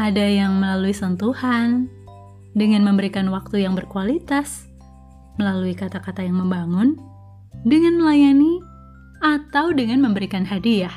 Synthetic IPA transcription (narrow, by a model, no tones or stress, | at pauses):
ʔadajaŋməlaluisənt̪uhan | dəŋanməmbəɾikanwak̚t̪ujaŋbərkualit̪as | məlaluikat̪akat̪ajaŋməmbaŋʊn | dəŋanməlajani | at̪awdəŋanməmbəɾikanɦadiah